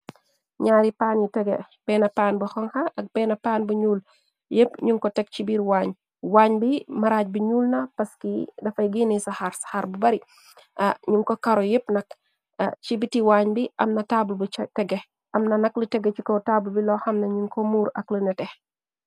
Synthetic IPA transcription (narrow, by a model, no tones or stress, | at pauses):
ɲaːɾipaːnjitɛɡɛ̰pɛːnɐpaːnbɐxɔŋxɐʔɐk̚pɛːnɐpaːnbuɲuːl | jəpɲuŋkɔtɛk̚t͡ʃibiːɾwaːɲ | waːɲbimɐɾaːc̚biɲuːlnɐpɐskidɐfɐjɡinisaxaɾsḁxaɾbubɐɾi | ɲuŋkɔkɐɾɔjepnɐk | t͡ʃibitiwaːɲbiʔɐmnɐtaːbulbutɛɡɛ | ʔɐmnɐnɐklitɛɡːɛt͡ʃikɔtaːbulbilɔxɐmnɐɲuŋkɔmuːɾɐ̰klənɛtɛh